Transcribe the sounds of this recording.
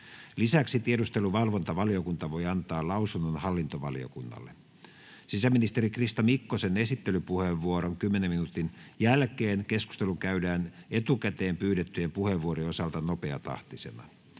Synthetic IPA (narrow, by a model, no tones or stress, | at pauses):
lisæksit̪ieɾust̪eluʋɑlʋont̪ɑʋɑliokunt̪ɑʋojɑnt̪ɑːlɑuwsunːonhɑlːint̪oʋɑ̰lio̰kunːɑ̰lːe | sisæminist̪eɾikrist̪ɑmikːosenesit̪ːelypuheʋːuoɾoŋkymːeneminut̪injælkeːnkesku̥st̪eluŋkæydæːnet̪ukæt̪eːmpyːɾet̪ːyjempuheʋːuoɾiosɑlt̪ɑnopeɑt̪ɑ̰ht̪ise̞̰nɑ̰